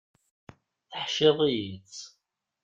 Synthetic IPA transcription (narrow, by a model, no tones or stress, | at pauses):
θəħʃɪðˤijit͡sː